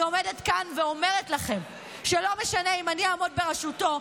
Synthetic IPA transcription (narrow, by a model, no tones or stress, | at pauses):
omedetkanveo̞me̞ʁetlaχe̞m | ʃelo̞meʃaneimaniaːmod̚be̞ʁeʃuto̞